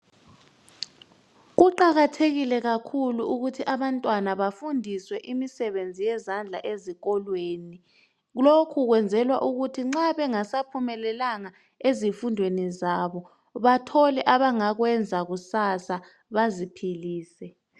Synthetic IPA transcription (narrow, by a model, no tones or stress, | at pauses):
ɣuǃaɣatʰeɣilɛɣakʰuluuɣutʰiʔaβantʼwanaβafundʱiswɛʔimisɛβend͡zʱijɛzand͡ɮʱa̰ʔeziɣɔlweːni | ɣlokʰuɣwɛnd͡zʱɛlwaʔuɣutʰiŋ͡ǁaβɛŋasapʰumɛlɛlaŋa | ezifundʱwenizaβɔ | βatʰɔlɛʔaβaŋaɣwɛnd͡zʱaɣusasa | βazipʰiliːsɛ